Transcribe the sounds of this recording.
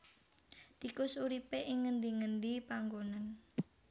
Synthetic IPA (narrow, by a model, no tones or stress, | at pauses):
t̪ikʊsuɾipeʔɪŋːənd̪iŋənd̪ipaŋɡonan